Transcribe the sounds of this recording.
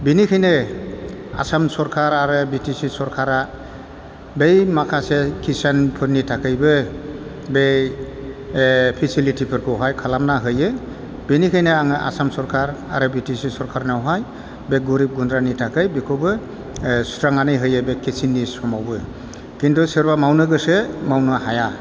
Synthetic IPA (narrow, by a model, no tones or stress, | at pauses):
binikʰajne | a̰samsɔɾkʰaɾaɾɯbitisisɔɾkʰaɾa | bejmakʰasekʰisanpʰɯɾnitʰakɯjbɯ | be | pʰisilitʰipʰɯɾkʰɔwɦajkʰalamnaɦɯjɯ | b̥enikʰajnɯaŋɯʔa̰samsɔɾkʰaɾa̰ɾɯbitisisɔɾkʰaɾnawɦaj | beɡuɾip̚ɡundɾanitʰakɯjbekʰɔbɯ | stɾaŋanɯjɦɯjɯbekisinːisɔmawbɯ | kintʰusɯɾbamawnɯɡɯsemawnɯhaja